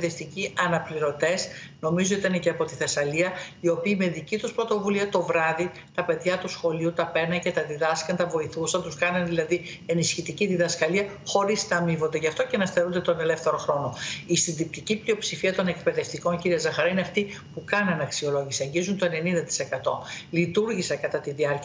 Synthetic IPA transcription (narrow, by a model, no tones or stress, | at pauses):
eft̪iciɐnɐpliɾo̞t̪e̞s | no̞mizo̞it̪ɐneceɐpo̞t̪i̥θe̞sɐliɐio̞piːme̞ðicit̪uspɾo̞t̪o̞vuliɐt̪o̞vɾɐði | t̪ɐpe̞ðʝɐt̪usxo̞liut̪ɐpe̞nɐnce̞t̪ɐðiðɐskɐnt̪ɐvo̞iθusɐnt̪uskɐnɐnðilɐði | e̞nisçit̪iciðiðɐskɐliɐ | xo̞ɾiznɐːmivo̞nd̪e̞ʝɐft̪ocenɐst̪eɾund̪et̪one̞le̞fθe̞ɾo̞xɾo̞no̞ist̪ind̪ip̚t̪iciplio̞psifiɐt̪o̞ne̞kpe̞ðe̞ft̪iko̞nciɾiɐzɐxɐɾɐine̞ɐft̪i | pukɐnɐnɐksio̞lo̞ʝisiɐɲɟizunt̪o̞ene̞nind̪ɐt̪i̥se̞kɐt̪o̞̰lit̪uɾʝisɐkɐt̪ɐt̪iðiɐɾc